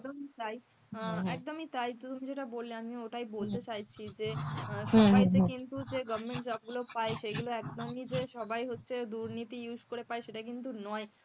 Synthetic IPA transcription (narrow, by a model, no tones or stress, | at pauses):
ɛkd̪omit̪aj | ɛk̚d̪omit̪ajt̪t̪umid͡ʑeʈabolleamioʈajbolt̪et͡ɕajt͡ɕʰid͡ʑeʃɔbajt̪ekint̪ud͡ʑeɡɔbmeɳʈd͡ʑɔb̚ɡulopaeʃeɡuloɛkd̪omid͡ʑeʃɔbajɦotːɕʰed̪uɾnit̪ijud͡ʑkoɾepaeʃeʈak̬int̪̬unɔe